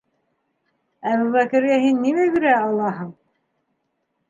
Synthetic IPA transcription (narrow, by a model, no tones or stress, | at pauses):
æβuβækɘ̆ɾɡæɦinːimæβiɾæɑlˠːɑɦɤɴ